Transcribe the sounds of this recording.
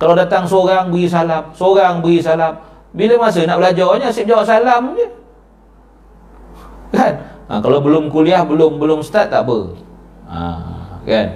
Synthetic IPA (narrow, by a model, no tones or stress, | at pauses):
kaladat̪aŋsoɾaŋbəɡis̬alamsoɾaŋbəɡisalam | biləmas̬ənaʔbəlad͡ʒɔɲasiʔ̚d͡ʒawaʔsalamd͡ʒə | kanə̰kalawbəlʊmkuliahbəlʊmbəlʊmsə̥t̪at̪̚ːa̰ʔbə̰ | a̰ka̰n